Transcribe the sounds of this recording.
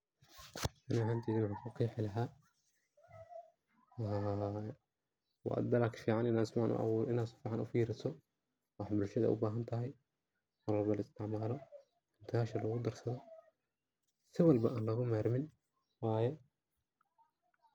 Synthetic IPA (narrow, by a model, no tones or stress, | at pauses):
ɐnahant̪ʰiːðɪwħakʰʊqʰiːħɪlɐɦaː | wɑ̰d̪ɐlɐkʰfiːʕanɪnaːsmʕa̰nʔʊ̰ʔɑ̰wuɾʔɪnaːd̪sʊ̥fiːħanʔʊ̰fiːɾɪt̪ʰɔ | wɑħbʊlʃɐðɐ̰ʔʊ̰baːɦɐnt̪ʰɐɦɛj | mʊɾɔrbɐlɪst̪ʰɪʕmaːlɔ | ɪnt̪ʰɪaːʃɐlɔɣʊd̪ɐrsɐðɔ | sɪwɑlbɐʔaːnlɐɣʊmɛːɾmɪn | waːjɛ